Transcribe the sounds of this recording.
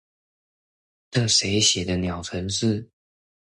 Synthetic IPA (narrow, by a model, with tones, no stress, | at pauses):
nə˥˩ʂe˧˥ɪɕjɛ˨˩d̪ə˦njɑ˨˩ʊt͡sʰwə˧˥nʂɻ̩˥˩